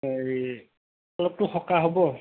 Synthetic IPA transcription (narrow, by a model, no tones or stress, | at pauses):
oj | alɔp̚tʊxɔkaɦobɔ